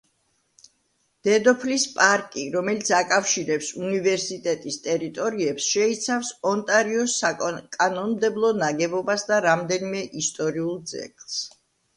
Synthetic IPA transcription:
d̪̥ɛd̪ɔpʰlispʼaɾkʼiɾɔmɛlit̪sʰakʼafʃiɾɛpsunivɛɾsit̪ʼɛt̪ʼist̪ʼɛɾit̪ʼɔɾiɛpsʃɛit̪sʰafsɔnt̪ʼaɾiɔsakʼanɔnmd̪ɛblˠɔnaɡɛbɔbasd̪aɾamd̪ɛnimɛʔist̪ʼɔɾiulˠd̪zɛ̰kʼlˠs

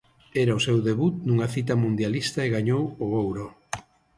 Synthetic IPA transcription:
ɛɾaosewðeβut̪̚nuŋɐθit̪ɐmũnd̪jalist̪ɐeɣaɲowoowɾo

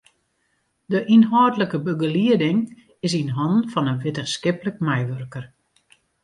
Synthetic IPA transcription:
dəʔinɦɔwtləkəbəɡəliədɪŋ | ɪsinɦɔnfɔnənʋɪtəskɪpləkmɛjʋørkər

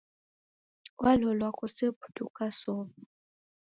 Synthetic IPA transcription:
wʔalɔlwakʼʊsɪpʰu̥dṵkʼasɔːβ

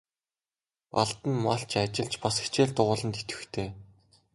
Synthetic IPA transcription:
pa̰ɮt̪ə̆nmaɬt͡ɕʰat͡ɕɪ̆ɮt͡ɕpase̥t͡ɕeːrt̪ʊʁʊːɮə̆nt̪et̪ɘ̥̆xt̪ʰeː

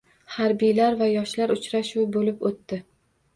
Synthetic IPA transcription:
haɾbijlaɾvajɒʃlaɾʊt͡ʃɾaʃuwbolɪpot̪ːɪ

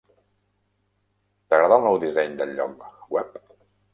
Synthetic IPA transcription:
t̪əɣɾəðalˠnɔwd̪izɛɲd̪əlʎɔ̰k̚wɛp̚

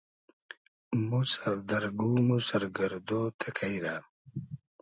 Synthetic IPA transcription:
musɐɾd̪ɐɾɡuːmusɐɾɡɐɾd̪ot̪ʰekʰajɾa

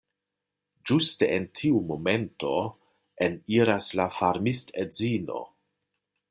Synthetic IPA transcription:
d͡ʒusteentʰiumo̞me̞nto̞ | eniɾaslafaɾmistezino̞̰

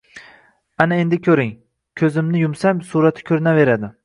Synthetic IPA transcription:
anae̞nd̪ɪkʲʰɵɾɪŋ | kʲʰɵzɪmnɪjʊmsamsuɾat̪ʰɪ̥kʲʰɵɾɪnave̞ɾad̪ɪ

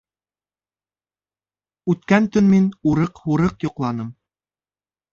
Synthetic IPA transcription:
ʉt̪̚kænt̪ɵnminuɾɤqhuɾɤqjŏqlˠɑnɤm

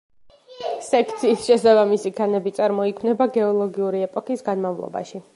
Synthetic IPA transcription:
sɛkʰt̪sʰiːsʃɛsabamisikʰanɛbit̪sʼaɾmɔikʰmnɛbaɡɛɔlˠɔɡiuɾiɛpʼɔkʰisɡanmavlˠɔ̰ba̰ʃi

